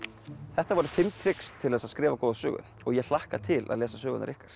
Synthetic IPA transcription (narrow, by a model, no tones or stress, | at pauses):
θɛht̪avɔɾʏfɪmt̪ʰɾɪkst̪ʰːɪlɛːsaðskɾɪːvakɔːðsœ̰ːɣʏ̰n | ɔɣjɛl̥ahka̰t̪ʰɪla̰lɛːsasœːɣʏnaɾʔɪhkaɾ̥